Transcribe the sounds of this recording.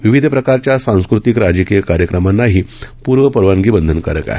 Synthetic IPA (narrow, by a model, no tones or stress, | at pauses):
ʋiʋid̪ʱəpɾəkaɾt͡ɕjasãw̃skɾut̪ikɾad͡ʑəkijəkaɾjəkɾəmanːaɦiːpuːɾʋəpəɾʋaŋɡiːbənd̪ʱənkə̰ɾəka̰ɦe